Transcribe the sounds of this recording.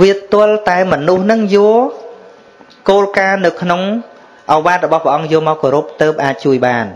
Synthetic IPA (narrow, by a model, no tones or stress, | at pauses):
ʋiət̪ʊ̆əlt̪aɛmɔnuhnɨŋjʊə | koːlkaːnɨwkʰnoŋ | ʔɑʋaːt̪̚rɔɓɑhpə̆ʔɑŋjʊəmaɔwkoːɾup̚t̪əːp̚ʔaːc̚t͡ɕuəjɓaːn